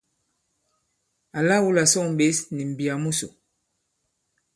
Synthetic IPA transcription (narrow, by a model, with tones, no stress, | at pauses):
a˨la˦˨wu˦la˨sɔ˦˨m̩˨be˦sni˨m̩˨bi˨a˨mu˦sṵ˨